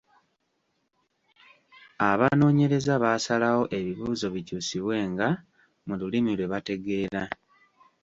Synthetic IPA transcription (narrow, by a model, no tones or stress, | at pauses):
aβano̞ːɲe̞ɾe̞zaβaːsalawo̞ʔe̞βiβuːzo̞βicuːsiβwe̞ːŋɡa | mululimilwe̞βate̞ɡe̞ːɾa